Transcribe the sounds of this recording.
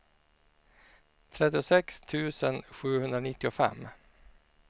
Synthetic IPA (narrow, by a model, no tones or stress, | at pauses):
t̪ʰɾɛt̪ːɪʊsɛkst̪ʰʉ̟ːsənɧʉ̟ːhɵnd̪ɾanɪt̪ːɪʊfɛ̰mː